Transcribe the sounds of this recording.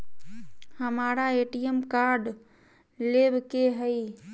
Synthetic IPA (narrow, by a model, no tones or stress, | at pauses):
həmaːɾaeʈijəmkaɾɖ | lebkeɦəi